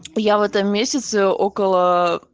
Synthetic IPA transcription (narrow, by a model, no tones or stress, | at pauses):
javɛt̪əmːʲesʲət̪səokəlˠə